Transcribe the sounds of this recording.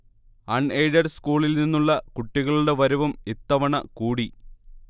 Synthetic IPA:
ɐɳejɖɐrskuːɭilninːuɭːɐkuʈːiɣɐɭuɽe̞ʋɐɾuʋumit̪ːɐʋɐɳɐkuːɽi

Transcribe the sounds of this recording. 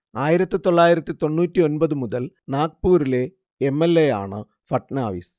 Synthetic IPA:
aːjiɾɐt̪ːɨt̪o̞ɭːaːjiɾɐt̪ːɨt̪o̞nːuːtʲːio̞nbɐðɨmuðɐl | naːkpuːɾile̞ | emːelːe̞ja̰ːɳɨ̰ | fɐʈːnaːʋḭs

